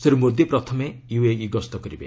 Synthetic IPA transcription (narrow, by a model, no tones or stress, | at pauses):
seɾumod̪ipɾɔt̪ʰɔmejueiɡɔst̪ɔkɔɾibḛ